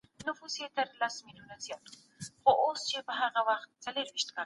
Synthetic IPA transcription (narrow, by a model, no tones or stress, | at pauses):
nʊfuset̪əɾlasmɪljunazijɑt̪u | χoʔost͡ʃebəɦaɣawaxt̪̚t͡saləɾwɪʃt̪ka